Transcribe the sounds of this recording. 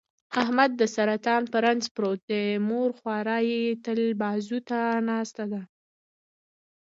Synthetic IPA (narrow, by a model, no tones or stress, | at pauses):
ahmad̪ːəsaɾat̪ɑnpaɾanzpɾot̪̚d̪əmoɾxwɑɾɑjet̪əlbɑzut̪anɑst̪ad̪a